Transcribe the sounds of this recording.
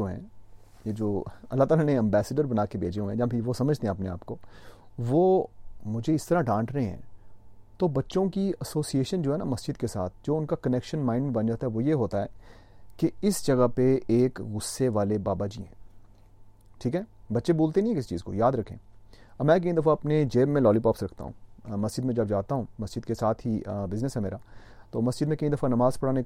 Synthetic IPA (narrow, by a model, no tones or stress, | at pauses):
oːɦɛ̰̃ː | jed͡ʒoːɐlːat̪aːlaneɛ̃mbɛːsəɖəɾbɐnaːkebʱḛːd͡ʒeɦuẽd͡ʒɐãpʰɪʋosɐməd͡ʒʱt̪ẽɦɛ̃ɐpnea̰ːpkoːʋoːmʊd͡ʒʱeɪst̪ɐɾaɖãːsɾɐɦẽɦɛ̰̃ːt̪obɐtːʃõkiɐsoːsieːʃənd͡ʒoːɦɛnamɐsd͡ʒɪd̪kesa̰ːt̪̚ʰd͡ʒoːʊnkakɐnɛkʃənmãːɪɳɖbɐnd͡ʒaːt̪aɦɛʋojeɦoːt̪aɦɛː | keɪsd͡ʒɐɡapeeːkɣʊsːeʋaːlebaːbad͡ʒiɦɛ̰̃ː | ʈʰiːkɦɛːbɐtːʃebuːlt̪enĩɦɛkɪsit͡ʃiːzko̰jaːd̪ɾɐkʰḛ̃ːɐbmɛ̃ːk̬ɐĩd̪ɐfaɐpned͡ʒeːbmːẽlɔːlipɔːpsɾɐkʰt̪a̰ɦṵ̃ːmɐsd͡ʒɪd̪mẽd͡ʒɐbd͡ʒaːt̪aɦũːmɐsd͡ʒɪd̪kesaːt̪ʰɦibɪznəsɦɛmeːɾa | t̪oːmɐsd͡ʒɪd̪mẽkɐĩd̪ɐfanɐmaːzpɐɽaːne